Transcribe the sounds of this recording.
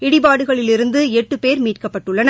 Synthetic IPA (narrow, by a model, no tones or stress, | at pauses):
ɪɽɪbaːɽɯɣɐɭɪlɪɾɯnd̪ɯɛʈːɯpeːɾmiːʈ̚kɐpːɐʈːɯɭːɐnɐ